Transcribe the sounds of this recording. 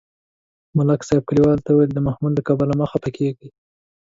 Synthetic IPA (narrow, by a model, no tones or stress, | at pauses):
mʊlaksɑjb̚kaliwɑlt̪auweld̪əmahmullakɑbəlaməxapəkʰeɡi